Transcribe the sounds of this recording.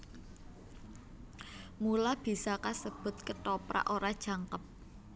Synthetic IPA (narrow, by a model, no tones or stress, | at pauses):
mulab̥i̤sakasəb̥ʊ̤t̪̚kəʈopɾa̰ʔoɾad̥ʒ̥a̤ŋkəp̚